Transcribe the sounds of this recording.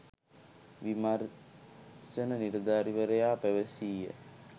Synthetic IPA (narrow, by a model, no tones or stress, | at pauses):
ʋimar | sɐnəniɾd̪aːɾiʋɐɾejaːpæʋəsiːjə̰